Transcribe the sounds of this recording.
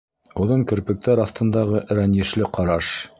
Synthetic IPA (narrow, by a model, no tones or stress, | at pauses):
ŭðɤŋkɵ̆ɾpɘ̆k̚t̪æɾɑθt̪ɤ̆nd̪ɑʁɤʔɾænjɘ̆ʃlɘqɑɾɑʃ